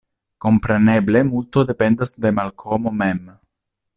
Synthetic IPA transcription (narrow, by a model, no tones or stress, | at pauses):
ko̞mpɾe̞neble̞mult̪od̪e̞pend̪asd̪e̞malkʰomo̞mem